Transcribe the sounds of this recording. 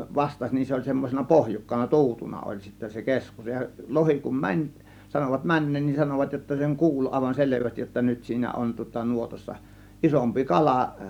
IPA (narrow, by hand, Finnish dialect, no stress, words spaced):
ʋɑstɑsʲ nin se olʲ semːosenɑ pohjukːɑnɑ tu̞utunɑ olʲ sitːæ se keskus jɑ lohi kum mænʲ sɑnoʋɑt mænːeːn nin sɑnoʋɑt jotːɑ seŋ kuːl ɑˑe̝ʋɑn seleʋæstij jotːɑ nyt siːnæ on tŭŏtɑ nuotɑsːɑ ʔisompi kɑlɑˑ